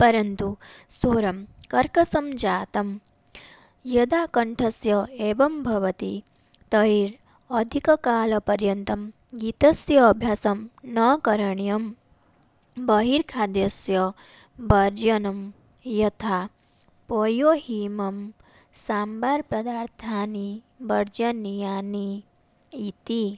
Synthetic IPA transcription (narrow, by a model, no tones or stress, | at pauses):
pɐɾɐnt̪usoːɾɐmkɐɾkɐsɐmd͡ʒaːt̪ɐm | jɐd̪aːkɐɳʈʰɐsjɐeːʋɐmbʱɐʋɐt̪i | t̪ɐɦiɾ | ɐd̪ʱikɐkaːlɐpɐɾjɐnt̪ɐm | ɡit̪ɐsjɐːbʱjaːsɐmnɐkɐɾɐɳjɐm | bɐɦiːɾkʰaːd̪jɐsjɐ | bɐɾd͡ʒɐnɐm | jɐt̪ʰa | pojoːɦimɐm | saːmbaːɾpɾɐd̪aːɾt̪ʰaːni | bɐɾd͡ʒɐnijaːni | it̪i